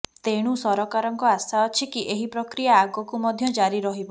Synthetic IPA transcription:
t̪eɽ̃usɔɾɔkaɾɔŋkɔasaɔt͡ʃʰikiʔeɦipɾɔkɾijaːɡɔkumɔd̪ʱjɔd͡ʒaɾiɾɔɦibɔ

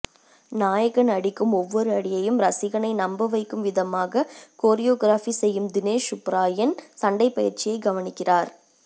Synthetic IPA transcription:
naːjɐɣɐnɐɽɪkːɯmɔʋːɔɾɯɐɽɪjɐjɯmɾɐsɪɣɐnɐɪnɐmbɐʋɐɪkːɯmʋɪðɐmaːɣɐkoːɾɪjoːɡɪɾaːfisɛjːɯmd̪ɪneːʂʊpɾaːjɐnsɐɳɖɐɪpːɐjɪɾt͡ʃɪjɐɪɡɐʋɐnɪkːɪraːɾ

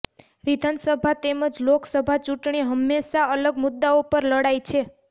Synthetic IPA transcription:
ʋid̪ʱansəbʱat̪eməd͡ʒloksəbʱat͡ʃuʈɳiɦəmːeʃaələɡmʊd̪ːaopəɾləɽajt͡ʃʰe

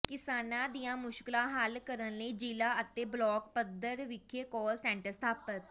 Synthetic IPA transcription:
kɪsaːnãːd̪ijãːmʊʃkɪlãːɦəlkəɾənləiːd͡ʒiːlaːət̪eːblɔːk̚pəd̪əɾʋɪkʰːeːkɔːlsɛ̃ːɳʈəɾst̪ʰaːpət̪̚

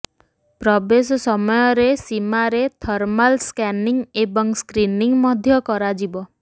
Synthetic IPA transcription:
pɾɔbesɔsɔmɔjɔɾesimaɾet̪ʰɔɾmalskɛniŋebɔŋskɾiniŋmɔd̪ʱjɔkɔɾad͡ʒibɔ

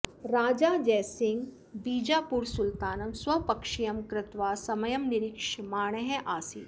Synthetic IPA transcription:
ɾaːd͡ʒaːd͡ʒɛːsɪ̃ŋɡ | biːd͡ʒaːpuːɾsʊlt̪aːnɐmswɐpɐkʃijɐmkɾɪt̪ʋaːsɐməjɐmnɪɾɪkʃmaːɳ̃əɦɛ̃ʔaːsiː

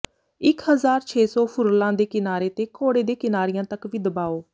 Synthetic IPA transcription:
ɪkɦəzaːɾt͡ʃʰeːsɔːpʰʊɾlãːd̪eːkɪnaːɾeːt̪eːkʰoːɽeːd̪eːkɪnaːɾɪjãːt̪əkʋiːd̪əbaːoː

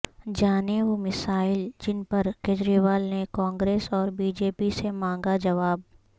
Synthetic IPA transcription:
d͡ʒaːneʋoːmɪsaːɪld͡ʒɪnpɐɾkeːd͡ʒɾiːʋaːlnekãːŋɡɾeːsɔːɾbiːd͡ʒeːpisemãːŋɡad͡ʒɐʋaːb

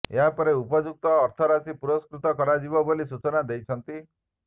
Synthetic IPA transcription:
eɦapɔɾeupɔd͡ʒuk̚t̪ɔːɾt̪ʰɔɾasipuɾɔskɾut̪ɔkɔɾad͡ʒibɔbolisut͡ʃɔnad̪ejt͡ʃʰɔnt̪i

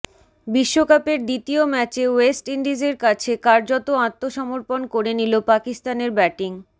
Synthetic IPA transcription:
biʃːokapeɾd̪it̪iomɛt͡ɕewesʈiɳɖid͡ʑeɾkat͡ɕʰekaɾd͡ʑot̪oãt̪ːoʃɔmoɾponkoɾenilopakist̪aneɾbɛʈiŋ

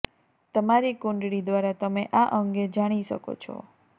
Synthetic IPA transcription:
t̪əmaɾikũɳɖɽid̪ʋaɾat̪əmeʔaʔəŋɡed͡ʒaɽ̃iʃə̰ko̰t͡ʃʰɔ̰

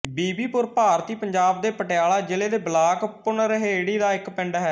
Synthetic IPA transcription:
biːbiːpʊɾpaːɾt̪iːpəɲd͡ʒaːb̚d̪eːpəʈɪjaːlaːd͡ʒeleːd̪eːblaːkpʊnɾəɦeːɽiːd̪aːɪkpɪ̃ɳɖɦɛː

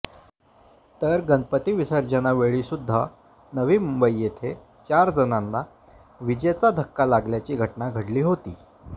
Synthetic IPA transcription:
t̪əɾɡənpət̪iːʋisəɾd͡ʑənaʋeɭiːsud̪ʱːa | nəʋiːmumbəjːet̪ʰe | t͡ɕaɾd͡zənanːa | ʋid͡ʑet͡sad̪ʱəkːalaɡljat͡ɕiːɡʱəʈnaɡʱəɽliːɦot̪iː

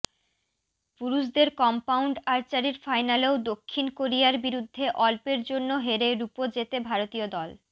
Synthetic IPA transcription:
puɾuʃd̪eɾkɔmpawɳɖaɾt͡ɕaɾiɾfajnaleod̪okʰːinkoɾijaɾbiɾud̪ʱːeʔɔlpeɾd͡ʑonːoɦeɾeɾupod͡ʑet̪ebʱaɾot̪iod̪ɔl

